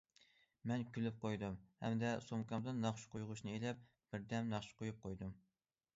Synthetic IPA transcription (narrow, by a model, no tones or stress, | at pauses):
mɛnkʲʰylyp̚qʰojd̪ɨmhɛ̰md̪ɛsomkɑmd̪ɨnːɑχʃu̥qʰojʁʊʃnɨelɛp̚ | b̥ɪɾd̪ɛmnɑχʃu̥qʰojup̚qʰojd̪ɨm